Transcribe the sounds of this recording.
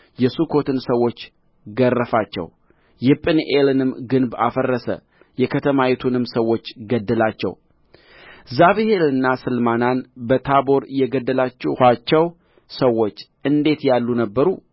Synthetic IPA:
jɛsukʰo̞t̪ʰɨnsəwːo̞t͡ʃː | ɡərːəfat͡ʃːɛ̰w | jɪpʼɨnʔelɨnɨmɡɨnba̰fərːəsə̰ | jɛkʰət̪ʰəmajɛt̪ʰunɨmsəwːo̞t͡ʃːɡəd̪ːəlat͡ʃːɛ̰w | zaβihelɨnːasɨlmananbət̪ʰabo̞ɾjɛɡəd̪ːəlat͡ʃːɛhat͡ʃːɛw | səwːo̞t͡ʃː | ɨnd̪e̞t̪jalːunəbːəɾu

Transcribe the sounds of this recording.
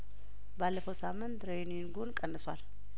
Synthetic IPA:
balːəfəwsamːɨnt̪ɾejninɡonkʼənːɨswal

